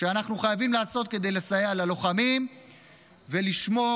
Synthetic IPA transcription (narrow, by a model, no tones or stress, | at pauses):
ʃeanaχnuχajavimlaːso̞t̪̚ke̞d̪e̞jlesajealalo̞χamim | ve̞liʃmo̞